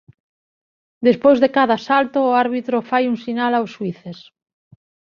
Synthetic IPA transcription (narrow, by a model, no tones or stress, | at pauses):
d̪espojzðekaðasalt̪oːaɾβit̪ɾofajuŋsinalawsːwiθes